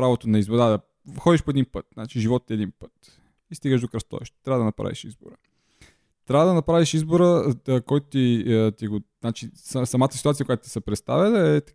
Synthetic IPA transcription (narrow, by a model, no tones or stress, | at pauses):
pɾavot̪onɐizbod̪ad̪ɐ | xɔd̪iʃpoɛd̪inpət̪na̰t͡ʃiʒivɔt̪t̪iɛd̪inpət̪ | ist̪iɡəʃ̬ʒd̪okɾɐst̪ɔ̰ɛ̰ʃt̪t̪ɾʲavəd̪ənɐpɾa̰vḭʃḭzbo̰ɾə | t̪ɾʲavəd̪ɐnɐpɾaviʃizboɾəkɔjt̪ʊt̪it̪iɡoznat͡ʃisɐsɐmat̪əsi̥t̪uat̪ijəkoʊjat̪ʊ̥t̪i̥səpɾɛt̪st̪a̰vɛlˠəɛt̪